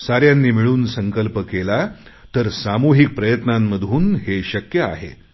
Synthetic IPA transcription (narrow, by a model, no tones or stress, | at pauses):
saɾjanːiːmiɭuːnsəŋkəlpəkela | t̪əɾsamuɦik̚pɾəjət̪namːəd̪ʱuːnɦeɕəkjəa̰ɦḛ